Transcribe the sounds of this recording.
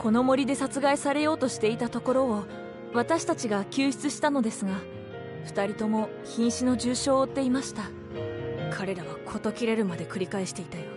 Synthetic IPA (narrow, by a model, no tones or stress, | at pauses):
ko̞no̞mo̞ɾʲid̪e̞sat͡sɨɡaisaɾe̞jo̞ːt̪o̞ɕi̥t̪e̞it̪at̪o̞ko̞ɾo̞ː | β̞at̪aɕi̥t̪at͡ɕiɡakʲɨːçi̥t͡sɨɕi̥t̪ano̞d̪e̞sɨɡa | ɸɯ̟̥t̪aɾʲit̪o̞mo̞ | çĩɰ̃ɕino̞ʑɨːɕo̞ːt̪ːe̞imaɕi̥t̪a | kʰaɾe̞ɾaβ̞akʰo̞t̪o̞kʲiɾe̞ɾɯ̟mad̪e̞kɯ̟ɾʲikaeɕi̥t̪e̞it̪ajo